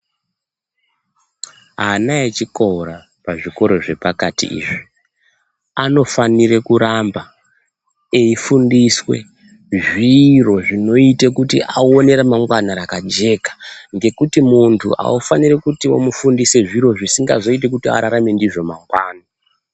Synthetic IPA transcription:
ɦanaet͡ʃikoɾa | paʐiko̞ɾo̞ʐe̞pakatḭḭːʐi | ano̞faniɾe̞kuɾamba | eifundiswe̞̰ | ʐiro̞ʐino̞itekutḭʔaone̞ɾamaŋɡwanaɾakad͡ʒe̞kḁŋɡe̞kutimuntʰṵʔa̰ufaniɾekutiwo̰mufundise̞ʐiɾo̞ʐisiŋɡa̰zo̞it̬e̞k̬utia̰ɾaɾame̞ndiʐo̞maŋɡwaːna

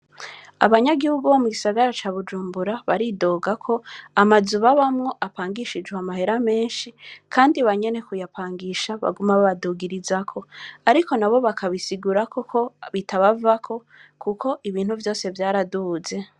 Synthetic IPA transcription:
a̰βaɲaɡihuɡuβomuɡisaɡaɾat͡ʃaːβud͡ʒuːmbuɾaβaɾido̞ːɡakʰo̞amazuβaβamŋo̞ʔapaːŋɡiʃid͡ʒɡweamahe̞ɾame̞ːnʃikʰaːndiβaɲe̞ne̞kujapʰaːŋɡiʃaβa̰ɡumaβoβaduːɡiɾizakʰo̞aɾiko̞naβoβakʰaβisiɡuɾakʰokʰo̞βitʰaβavakʰo̞ | kukʰo̞ʔiβiːn̥huvjo̞ːse̞vjaːɾaduze̞

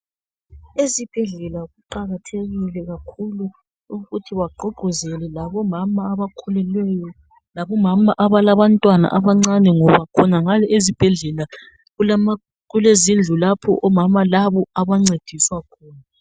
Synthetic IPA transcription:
ezib̥ʱɛɮɛlaɣuǃaɣatʰeɣilɛɣakʰulu | uɣutʰiwaǃoɡʱuzɛlɛlaβɔmamaːβakʰɔlɛlwɛjɔ | laβɔmamaʔaβalaβantʼwana̰ʔaβaŋ͡ǀanɛŋɔβakʰɔnaŋalɛʔezib̥ʱɛɮɛla | u | ɣulezind͡ɮʱulapʰɔ̰ʔɔmamalaβɔaβaŋ͡ǀed̥ʱiswakʰɔːna

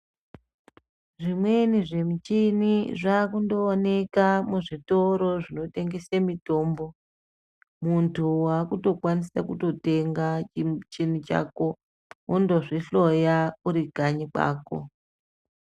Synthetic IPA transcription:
ʐimwe̞niʐe̞mit͡ʃiniʐakundo̞ːne̞kamuʐito̞ɾo̞ʐino̞te̞ŋɡe̞samito̞ːmbo̞ | muntʰuwakuto̞kwanisakuto̞te̞ŋɡat͡ʃin̤it͡ʃa̰ko̞ | ʔondoʐiɬo̞jauɾiɡʱaɲika̰ːko̰

